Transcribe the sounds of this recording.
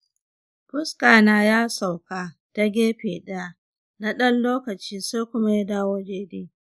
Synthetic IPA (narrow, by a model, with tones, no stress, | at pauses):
pʊ˦skaː˨naː˦jaː˦sa˨wkaː˨ta˦ɡʲeː˦ɸeː˨ɗɐ˦ja˦˨ | na˦ɗɐ˦nloː˦kɐ˨t͡ʃiː˦sa˦kʷʊ˦ma˦ja˦daː˦woː˦d͡ʒeː˦deː˦